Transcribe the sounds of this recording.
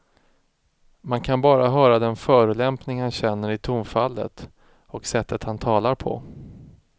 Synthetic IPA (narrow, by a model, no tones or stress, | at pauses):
mankʰanbɑːɾaɦœːɾad̪ɛnfœːɾɵlɛmpnɪŋhanɕɛnːəɾɪt̪ʰʊmfalːə̰t̪ | ɔksɛt̪ːət̪hant̪ʰɑːlaɾpʰɔ̰